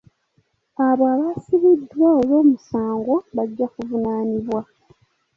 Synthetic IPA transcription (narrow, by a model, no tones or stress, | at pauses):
aβaβasiβidwaolo̞ːmusaːŋɡo̞βaɟːakuvunaːniβwa